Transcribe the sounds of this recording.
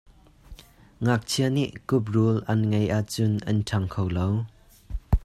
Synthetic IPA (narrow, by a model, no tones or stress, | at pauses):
ŋak̚t͡sʰiəniʔkʊp̚rulʔɐnŋejʔaʔt͡sʊnʔɐntʰɐŋkʰowlow